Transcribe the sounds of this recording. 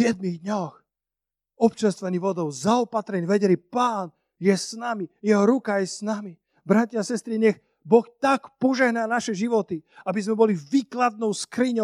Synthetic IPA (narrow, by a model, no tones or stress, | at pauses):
ɪjɛd̪miɣd̪ɲɔx | ɔpt͡ʃanst̪ʋaɲiʋɔd̪ɔʊzaɔpat̪ɾɛɲiʋɛɟɛlipaːn | jɛsnamijɛɦɔɾukajɛsnami | bɾatiasɛst̪ɾiɲɛx | bɔxt̪akpɔʒɛɦnaːnaʃɛʒiʋɔt̪iabizmɛbɔliviːklad̪̚nɔʊskɾiɲɔ